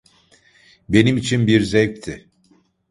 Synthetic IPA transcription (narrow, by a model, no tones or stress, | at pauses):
be̞nimit͡ʃʰinbiɾzɛjp̚t̪ʰɪ